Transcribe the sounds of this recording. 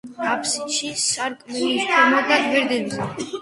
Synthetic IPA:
ɾapʰsiʃisaɾkʼmɛlit̪ʰamad̪aɡ̪vɛɾd̪ɛbzɛ

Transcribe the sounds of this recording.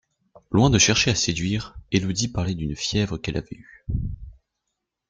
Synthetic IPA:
lwɛ̃d̪əʃɛʁʃeased̪ɥiːʁelud̪ipaʁlɛd̪ynfjɛvʁəkɛlʔa̰vɛ̰y

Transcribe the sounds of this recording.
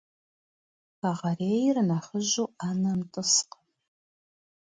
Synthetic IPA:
kaʁɐreːjɪrnaːχəʑuːaːnɐmtʼɨsq

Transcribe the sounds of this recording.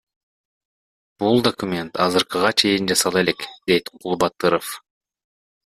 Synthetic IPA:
b̥ulˠd̪okumʲe̞nt̪ɑzɯɾqɯʁɑt͡ʃʰe̞jind͡ʒɑsɑlˠe̞le̞kd̪̥e̞jt̪qʰulˠbɑt̪ːɯɾof

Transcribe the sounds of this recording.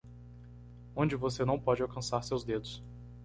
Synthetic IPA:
õd͡ʒɪvosenɐ̃w̃pɔd͡ʒɪawkɐ̃saɾsewzd̪ed̪ʊs

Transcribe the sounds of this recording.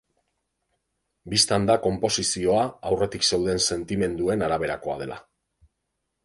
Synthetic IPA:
bist̪and̪ako̞mpo̞sisio̞aawre̞t̪ikse̞wðe̞nse̞nt̪ime̞nd̪ue̞naɾaβ̞e̞ɾako̞a̰ðe̞lʔa̰

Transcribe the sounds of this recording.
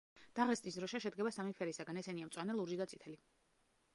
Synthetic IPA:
d̪̥aʁɛst̪ʼisd̪ɾɔʃɛʃɛd̪̚ɡɛbasamipʰɛɾisaɡanɛsɛniamt̪sʼwanɛlˠuɾʒid̪at̪sʼit̪ʰɛli

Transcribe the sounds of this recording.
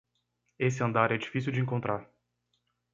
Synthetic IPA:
esɪɐ̃nd̪aɾɛd͡ʒifisiuwd͡ʒɪẽŋkõnt̪ɾaɾ

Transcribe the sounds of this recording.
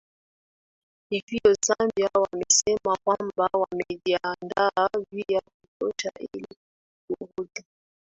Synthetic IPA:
ikijɔsambjawamesɛmakwambawamedjandavijakutɔtaʔḛli | koɣotu

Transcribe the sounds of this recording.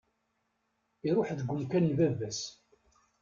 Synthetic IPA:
iɾˤʊħðəɡʷːʊmkænːvævæs

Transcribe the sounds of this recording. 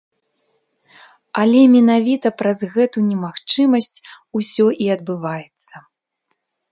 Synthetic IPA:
ɐlʲɛmʲɛnavʲit̪ɐpɾɐzɣɛt̪unʲɛmaxt͡ʂɨmɐsʲt͡sʲ | usʲɔʔiɐd̪̚bɨvajɛt̪sːɐ

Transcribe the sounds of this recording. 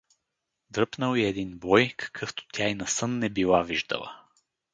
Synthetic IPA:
d̪ɾɤpnəlˠiɛd̪inbɔjkʰɐ̥kʰəft̪o̥t̪ʲjainɐsɤnːɛbilˠaviʒd̪ə̰lˠə̰

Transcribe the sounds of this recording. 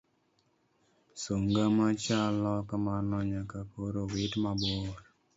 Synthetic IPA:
soŋɡamat͡ʃalɔkamanɔɲakapoɾowɪtmaboɾ

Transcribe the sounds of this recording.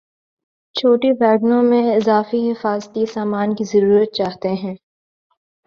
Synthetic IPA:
t͡ʃʰoːʈiʋɛːɡnõmẽɪzaːfiɦɪfaːzt̪isaːmaːnkizɐɾuːɾət̪̚t͡ʃaːɦt̪eɦɛ̃ː

